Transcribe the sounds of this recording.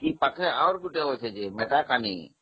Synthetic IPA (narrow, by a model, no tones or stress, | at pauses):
kipəkʰẽaɾɡuʈeɦot͡ʃʰed͡ʒemeʈakaːnḭ